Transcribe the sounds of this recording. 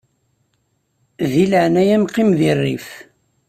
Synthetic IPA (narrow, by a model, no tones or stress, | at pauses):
ðiləʕnæjæmqːimðirˤːḭf